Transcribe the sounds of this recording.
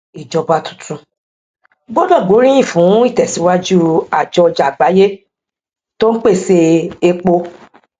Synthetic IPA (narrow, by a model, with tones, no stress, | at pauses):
i˨d͡ʒɔ˧ba˧tũ̥˨tʰũ˧ | ɡ͡bɔ˦dɔ˦˨ɡ͡bo˨˦ɾĩ˦j̃ĩ˦˨fũ˨˦i˦˨tɛ˨si˨˦wa˦d͡ʒu˦a˨d͡ʒɔ˧˨d͡ʒa˨ɡ͡ba˨˦je˦ | to˦n̩˦k͡pe˦˨se˧e˧k͡po˧